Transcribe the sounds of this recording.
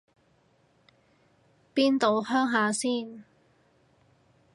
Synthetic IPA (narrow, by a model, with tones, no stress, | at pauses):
piː˥nt̪o˨˧whœː˥ŋɦaː˨˧siː˥˩n